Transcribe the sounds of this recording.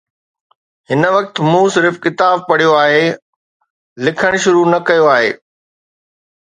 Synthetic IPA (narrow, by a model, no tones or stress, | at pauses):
ɦɪnə̆ʋɐk̚t̪ɪ̆muːsɪɾɪfkɪt̪aːb̚pɐɽ̤ijoaːɦeː | lɪkʰəɽ̃ʃʊɾunɐkɐjoaːɦḛː